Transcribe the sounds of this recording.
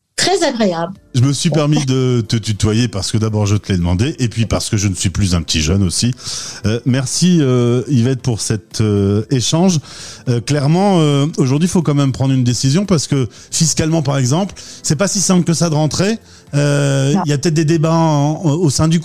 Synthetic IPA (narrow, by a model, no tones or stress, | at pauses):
t̪χɛzaɡʁeablʒəməsɥipɛʁmid̪ət̪ət̪yt̪wajepaʁsə̥kəd̪abɔʁʒət̪əled̪əmɑ̰̃d̪eʔepɥipaʁsə̥kəʒənəsɥiplyzɛ̃pət̪iʒœnosiømɛʁsiøivɛt̪̚puʁsɛt̪ʰøeʃɑ̃ʒøklɛʁmɑ̃øoʒuʁd̪ɥifokɑ̃mɛmpχɑ̃d̪ʁynd̪esizjɔ̃paʁsə̥kə | fiskalmɑ̃paʁɛɡzɑ̃plsɛpasisɛ̃pləkəsad̪əʁɑ̃t̪χe | øiljapət̪ɛt̪̚d̪ed̪ebaosɛ̃d̪yk